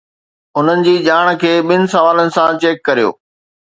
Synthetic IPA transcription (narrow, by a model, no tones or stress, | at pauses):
ʊn̤ənɪ̆d͡ʑiːd͡ʑaːɽ̃kʰeːɓɪnɪ̆sɐʋaːlənɪ̆sãt͡ɕeːkːɐɾijo̰ː